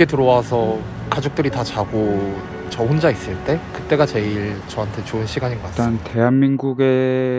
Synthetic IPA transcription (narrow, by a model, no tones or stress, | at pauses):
etɯɾʌwasʰʌ | kad͡ʑok̚t͈ɯɾitat͡ɕaɡo | t͡ɕʌɸond͡ʑais͈ɯɭt͈e̞kɯt͈e̞ɡat͡ɕe̞iɭt͡ɕʌɦantʰe̞t͡ɕoɯnɕʰiɡaɲinɡʌkaante̞ɦanmiŋɡuɡe̞